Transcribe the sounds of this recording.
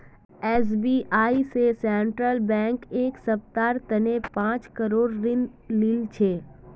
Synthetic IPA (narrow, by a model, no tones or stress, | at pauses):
ɛːs̬biːʔaːisesɛ̃ɳʈɾəlbɛ̃ːŋkeːksɐp̚t̪aːɾt̪ɐnepãːt͡ʃkəɾoːɾɾɪn | lɪlt͡ʃʰeː